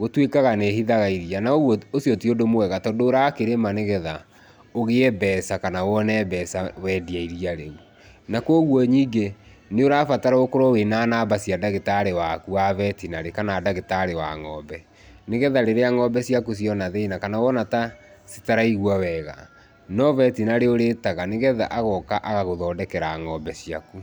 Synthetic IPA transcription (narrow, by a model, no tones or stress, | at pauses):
ɣotwekaɣanehiðaɣaiðianaoɣɔosjɔtiodomowɛɣatɔdoːɾakeɾemaneɣɛða | oɣeɛbɛːsakanawɔnɛːbɛsawɛːdiaiɾiaɾeu | nakɔɣwɔɲiːɡeneoɾafataɾaokoɾɔwenaːnabasiadaɣetaɾewakuavɛtinaɾekanaːdaɣetaɾewa̰ŋɔbɛ | neɣɛðaɾeɾeaŋɔbɛsiakus̬jɔnaðenakanawɔnata | si̥taɾaiɣwawɛːɣa̰ | nɔvɛtinaɾeoɾeːtaɣaneɣɛða̰ʔaɣɔkaʔaɣaɣoðɔːdɛkɛɾaːŋɔbɛsia̰ku